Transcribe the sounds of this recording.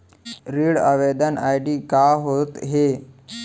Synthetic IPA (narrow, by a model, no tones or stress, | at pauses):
ɾiːɽaʋed̪ənajɖiːkaɦot̪ɦe